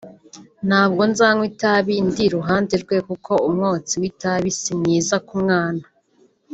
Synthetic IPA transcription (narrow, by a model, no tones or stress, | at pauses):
n̥haːbɡonzaŋwitaβindiɾuɦaːndeɾɡwe̞kukʰo̞umŋoːt͡siwitaβisimŋiːzakumŋaːna